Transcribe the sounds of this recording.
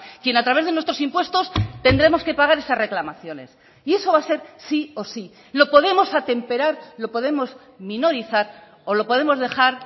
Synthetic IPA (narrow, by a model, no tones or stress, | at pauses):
kje̞nat̪ɾaβe̞zðenwest̪ɾo̞simpwe̞st̪o̞st̪e̞nd̪ɾe̞mo̞ske̞paɣaɾe̞sasre̞klamaθjo̞ne̞̰s | ie̞so̞β̞ase̞ɾsio̞si | lo̞po̞ð̞e̞mo̞sat̪e̞mpe̞ɾaɾlo̞po̞ðe̞mo̞z | mĩno̞ɾiθaɾ | o̞lo̞po̞ðe̞mo̞zðe̞xaɾ